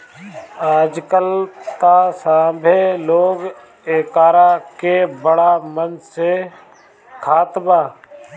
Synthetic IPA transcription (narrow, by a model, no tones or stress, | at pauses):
ad͡ʒkəlt̪aːsãːbʱeloːɡ | eːkaːɾakebəɽaːmənse | kʰaːt̪baː